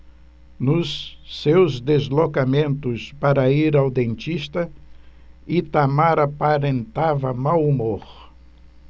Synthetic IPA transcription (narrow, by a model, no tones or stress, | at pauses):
nʊsːewzd̪ezlokamẽnt̪ʊspaɾɐiɾawd̪ẽnt͡ʃist̪ɐ | it̪amaɾapaɾẽnt̪avɐmawumoɾ